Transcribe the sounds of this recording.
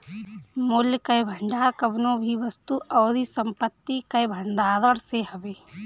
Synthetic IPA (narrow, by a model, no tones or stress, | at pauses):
mʊljkɐjbʱəɳɖaːɾkəbnõbʱiʋəst̪uʔɔːɾisəmpət̪ːikɐjbʱəɳɖ̪aːd̪əɽseɦɐbeː